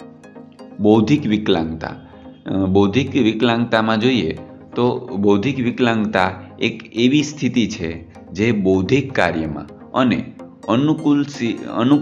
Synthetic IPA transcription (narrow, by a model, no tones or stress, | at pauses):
bəwd̪ʱikʋɪklã̰ŋɡt̪a̰ | bəwd̪ʱikʋɪklãŋɡt̪amãd͡ʒoie | t̪obəwd̪ʱikʋɪklãŋɡt̪aekeʋist̪ʰit̪it͡ʃʰe | d͡ʒebəwd̪ʱikːa̰ɾjəmã̰ | ənḛ | ənlsə̰nu